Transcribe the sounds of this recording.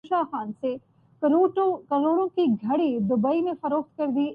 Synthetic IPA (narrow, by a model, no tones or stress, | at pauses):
ʃaːxaːnse | kɐɾoːɽõkiɡʱɐɽid̪ʊbəimẽfɐɾoːxt̪̚kɐɾd̪i